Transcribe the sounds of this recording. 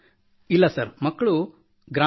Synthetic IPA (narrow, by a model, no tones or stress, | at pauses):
ilːɐsɐɾmɐkːɐɭu | ɡɾa